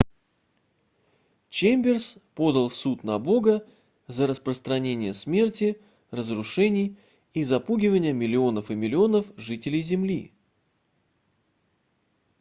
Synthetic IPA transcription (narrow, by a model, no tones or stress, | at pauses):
t͡ɕemʲbʲɪrspo̞d̪əlˠfsut̪nɐbo̞ɡə | zəɾəspɾəst̪ɾɐnʲenʲɪjəsmʲe̞rtʲɪ | rəzɾʊʂɛnʲɪj | izɐpuɡʲɪvənʲɪjəmʲɪlʲɪo̞nəfɨmʲɪlʲɪo̞nəfʐɨtʲɪlʲɪjzʲɪmlʲḭ